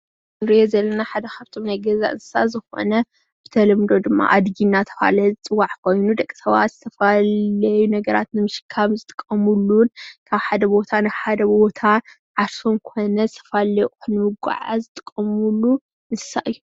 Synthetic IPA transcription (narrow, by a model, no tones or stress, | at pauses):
ɨɾijezɐlːɐnaħad̪ɐkʰaβt̪ʰo̞mnajɡɐza̰ʔɨ̰nsɨ̥sa̰zɨxo̞̰nɐ | b̥ɨt̪ʰɐlɐmd̪o̞d̪ɨmːa̰ʔad̪ɡinːat̪ʰɐ̥fa̰lzɨt͡sʼɨwːaʕkʰo̞jnud̪ɐkʼːi̥sɐβa̰t̪z̥ɨt̪ʰɐfalɐjunɐɡɐɾa̰t̪nɨmɨʃɨ̥kʰːaβzɨt̪ʼɨ̥kʼːɐmulːunkʰaβħad̪ɐbo̞t̪ʰanɨħad̪ɐbo̞t̪ʰa | ʕaɾso̞mkʰo̞nɐzɨt̪ʰɐ̥falɐjʼxunːɨmɨɡʷa̰ʕa̰zɨt̪ʼɨkʼːɐmulːu | ɨnsɨ̥saʔɨjːu